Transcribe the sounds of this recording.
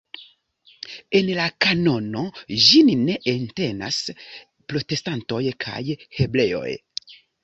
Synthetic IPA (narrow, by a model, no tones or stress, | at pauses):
e̞nlakano̞no̞ʒinne̞ʔente̞na̰s | pɾo̞te̞stanto̞jkʰa̰jhe̞ble̞o̞̰j